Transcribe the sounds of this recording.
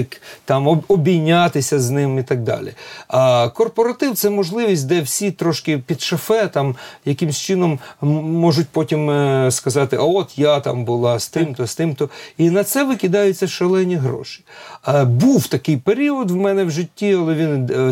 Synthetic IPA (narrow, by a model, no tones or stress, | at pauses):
kt̪ɑmɔɔbʲijnʲːat̪ɪsʲɐznɪmit̪ɐɡ̚d̪ɑ̰lʲḭ | kɔrpɔɾɐt̪ɪwt̪sɛmɔʒlˠɪʋʲisʲt̚ʲd̪ɛwsʲit̪ɾɔʃkɪpʲid̪ʃɐfɛt̪ɑmjɐkɪmsʲt͡ʃɪnɔmːɔʒʊtʲpɔtʲimskɐzɑt̪ɪʔɐɔt̪jat̪ɑ̰mbʊlˠɑst̪ɪmt̪ɔst̪ɪmt̪ɔinɐt̪sɛʋɪkʲɪd̪ɑjʊtʲt͡sʲːɐʃelˠɛnʲiɦɾɔ̰ʃɪ̥ | buwt̪ɐkɪjpeɾʲiɔd̪wmɛnɛwʒɪtʲːiɐlˠɛʋʲin